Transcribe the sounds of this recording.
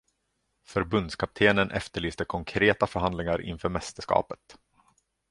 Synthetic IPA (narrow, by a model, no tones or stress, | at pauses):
fœɾbɵnd̪skʰap̚t̪ʰeːnənʔɛ̰ft̪əɭyːst̪əkʰɔŋkʰɾeːt̪afœɾɦand̪lɪŋaɾʔɪ̰nfœːɾmɛst̪əʂkɑ̰ːpə̥t̪